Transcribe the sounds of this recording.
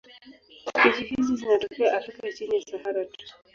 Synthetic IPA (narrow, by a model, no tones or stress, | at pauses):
bid͡ʒifizizinatɔkɛjaʔafɾikait͡ʃinijasaɦaɾatu̥